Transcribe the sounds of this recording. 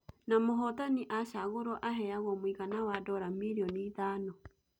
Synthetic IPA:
namoɦɔtaniʔaʃaɣoɾɔʔaɦɛaɣɔmwiɣanawadɔɾamiɾiɔniːtanɔ

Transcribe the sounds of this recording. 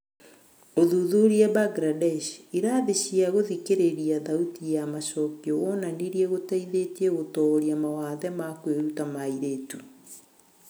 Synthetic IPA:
oðuðoɾiɛbaɡɾadɛʃiɾaːðeɕiaɣoðikeɾeɾiaðautijamaʃɔkiɔɣɔnaniɾjɛɣotaiðetieɣotɔɾjamawaðɛmakweɾutamaiɾeːtu

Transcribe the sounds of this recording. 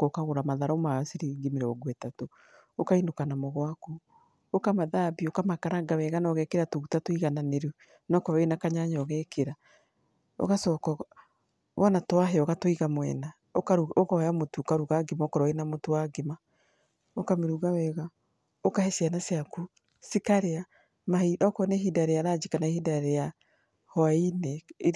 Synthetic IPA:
kokaɣoɾamaðaɾɔmaasiɾiɡimeɾɛɔɡwɛtato | okaindokanamɔɣwaku | okamaðabiokamakaɾaɡawɛɣanɔɣɛkeɾatoɣutatoiɣananeɾu | nɔkɔɾɔenakaɲaɲɔɣɛkeɾa | o̰ɣasɔːkɔ | βɔnatwaɦeɔɣatoiɣamwɛ̰na | okaɾokɔjamotuokaɾuɣaɡemaokɔɾɔenamotowaɡema | okameɾuɣawɛɣa | okahɛsianaseaku | sikaɾea | maiɔkɔnɛɦidaɾejaɾad͡ʒikanaehidaɾeja | hɔaine

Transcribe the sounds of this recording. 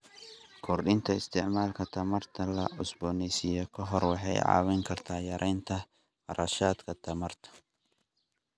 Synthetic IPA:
kʰɔrɗɪnt̪ʰɐɪst̪ʰɪʕmaːlkʰɐt̪ʰɐmɐrt̪ʰɐlɐʊsbɔːnɛsɪjɔkʰɐɦɔrwɑħɑ̰jʕɑ̰ːwɛjŋkʰɐrt̪ʰaːjɐɾʔɛjnt̪ʰɐ | fɐɾɐʃaːd̪kʰɐt̪ʰɐmɐrt̪ʰɐ̥

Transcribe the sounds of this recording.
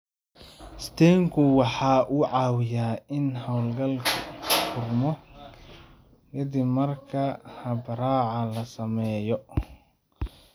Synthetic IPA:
st̪ʰɛːŋkʰʊwɑħɑːʔʊʕɑːwɪjaːɪnɦɐwlɡɐlkʰɐfʊrmɔ | kʰɐd̪ibmɐrkʰɐhɐbɐɾaːʕɑlɐsɐmɛːjɔ

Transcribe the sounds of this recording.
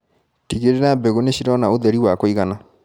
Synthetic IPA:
tiɣeɾeɾabeɣoneɕiɾɔnaoðɛɾiwakoiɣana

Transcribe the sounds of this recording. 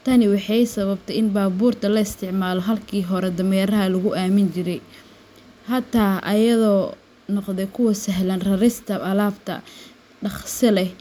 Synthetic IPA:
t̪ʰɐnɪwɑħɑjsɐβɐbt̪ʰɐɪnbaːbuːrt̪ʰɐlɐɪst̪ʰɪʕmaːlɔɦɐlkʰiːɦɔɾɛd̪ɐmɛːɾɐɦɐlɐɣʊʔaːmɪnt͡ʃɪɾɛj | hɐt̪ʰaːʔɐ̰jɐðɔː | nɔqðɛjkʰʊwɐsɐɦlɐnrɐɾɪst̪ʰɐɐlaːbt̪ʰɐ̰ | ɖɑχsɪlɛ

